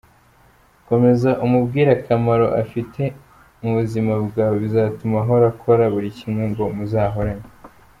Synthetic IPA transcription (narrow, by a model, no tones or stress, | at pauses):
ko̞me̞zaʔumubɡiːɾakʰamaɾo̞ʔa̰fitʰe̞ | muβuzimabɡaːweβizaːtumaɦo̞ɾakʰo̞ɾaβuɾicimŋe̞ŋɡo̞muzaːɦo̞ɾaɲe